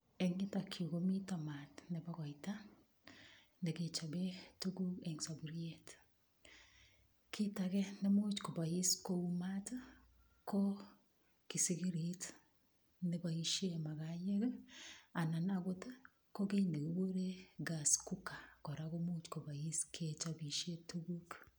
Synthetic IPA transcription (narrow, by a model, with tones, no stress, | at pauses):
e˨ŋi˦ta˨kʰo˨ɣo˦mi˦ta˦ma˨tne˨ba˦ɣa˨i˨ta˦ | ne˨ɣe˨t͡ʃa˨be˦tu˦ɡu˦e˨ŋsa˨bu˨ɾie˦t | ki˦taɣe˦ne˦mo˦t͡ʃko˨ba˨i˦sko˦u˦ma˦t | ko˦ | ki˨si˦ɡi˦ɾit | ne˦ba˨i˦ʃe˦ma˨ɣa˨ɲe˦ɣ | a˨na˨na˨ɡo˦t | ko˦ɡe˦ne˨ɡo˨˦wo˦ɾe˦ɡa˨sku˦ka˨kɔ˨ɾa˨ɣo˦mo˦t͡ʃko˨ba˨i˦skʰe˨t͡ʃa˨bi˨ʃe˦tu˦ɡu˦k